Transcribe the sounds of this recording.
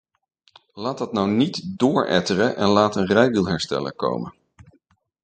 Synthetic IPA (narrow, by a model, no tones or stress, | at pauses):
laːtɑtnɑwnitdʊːɹʔɛ̰tərənʔɛnlaːtənrɛjdilˠɦɛɹstɛ̰lə̰ko̰wmə̰n